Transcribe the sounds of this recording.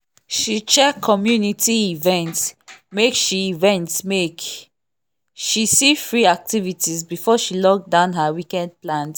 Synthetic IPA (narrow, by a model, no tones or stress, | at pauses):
ʃit͡ʃɛkʰɔmjunitiivɛ̃ntmekʃiivɛ̃ntsmek | ʃisifɹiak̚tivitizbifɔʃilɔk̚dãʊ̃nɦawikɛd̚plãnt